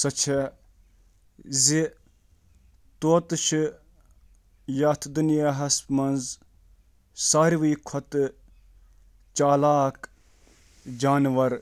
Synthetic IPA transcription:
sɐt͡ʃʰe | zi | t̪oːt̪ʃi | jaːt̪ʰd̪unjaːɦɐsmɐnz | saːɾʋiːkʰɐt̪ | t͡ʃaːlaːk | d͡ʒaːnʋɐɾ

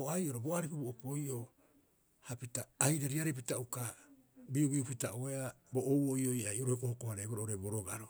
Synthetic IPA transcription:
oajʔo̞ɾoboaɾikuboʔokojʔo | hapitaːhiɾeɾiaɾep̬itauka | biuɡiupitaʔoeaboʔːwojo̞jajoɾohekohokohaɾeboɾoʔoɾebo̞ɾoɡaɾo

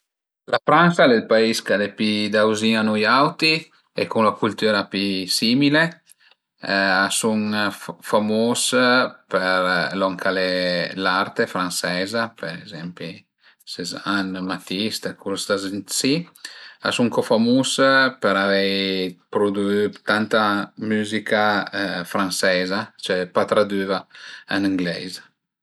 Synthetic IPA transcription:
lafɾansalelpaiskalepid̪awziŋanujawt̪i | ḛkuŋlakult̪yːɾapisimile | asuŋfamospeɾlɔŋkʰalelaɾt̪efɾansɛːzapeɾezɛmpi | sezanmat̪ist̪ekʰulst̪aznsia̰suŋkɔfamuspəɾavɛjpɾod̪uyt̪ant̪amyzikʰafɾansɛzat͡ʃɛpat̪ɾad̪yːvaaniŋɡlɛ̰z

